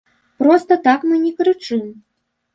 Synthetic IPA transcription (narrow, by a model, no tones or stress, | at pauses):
pɾɔst̪ɐt̪akmɨnʲɛkɾɨt͡ʂɨm